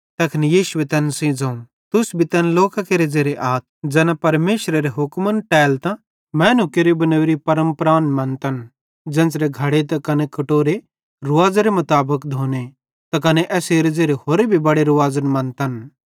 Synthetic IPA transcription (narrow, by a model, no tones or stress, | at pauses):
t̪ɐkʰnijiːʃʊʋet̪ɛnsĩd͡zɐ̃ũ | t̪ʊsbʱit̪ɛnloːkakeɾed͡zeːɾeʔaːt̪̚ʰd͡ʒɛːnãpɐɾmeːʃɾɐɾeɦʊkmənʈɛːlt̪ã | mɛ̃ːnũkeɾobɐnəʋɾipɐɾə̃mpɾaːnmɐ̃nt̪ɐn | d͡ʒɛ̃ːnt͡sɾeɡʱɐɽet̪ɐkɐnekɐʈoːɾe | ɾʊʋaːd͡zeɾemɐt̪aːbəkd̪ʱoːne | t̪ɐkɐneʔɛːseːɾed͡zeːɾehoːɾebʱibɐɽeɾʊʋaːzənmɐ̃nt̪ɐn